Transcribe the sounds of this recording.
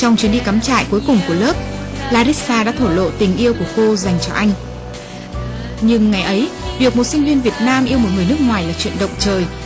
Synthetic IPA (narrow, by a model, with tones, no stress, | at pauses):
t͡ɕɔ˧wŋ͡mt͡ɕwi˨˦nɗi˧kaː˨˦mt͡ɕa̰ː˧˨jku˨˦jkʊ˨˩ŋ͡mku˧˩ələː˦˥p̚ | laː˧ɾi˦˥k̚saː˧ɗa̰ː˧˥t̪ʰo˧˩lo̰˧˨t̪ï˨˩ŋ̟ʔi˧əwku˧˩əko˧za˨˩jŋ̟t͡ɕɔ˧ʔa˧jŋ̟ | ɲɨ˧ŋːa˨˩jʔə˨˦jvi˨˩ək̚mo˨˩t̚sï˧ŋ̟vi˧ənvi˨˩ət̚naː˧mʔi˧əwmo˨˩t̚ŋɨ˨˩əjnɨ˦˥k̚ŋwaː˨˩jlaː˨˩t͡ɕwḭ˧˨ənɗə̰˧˨wŋ͡mt͡ɕəː˨˩j